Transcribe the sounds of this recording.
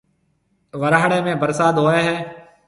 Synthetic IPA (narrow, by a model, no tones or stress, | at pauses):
ʋəɾaːɽeːmẽːbəɾsaːd̪ɦoːeːɦɛː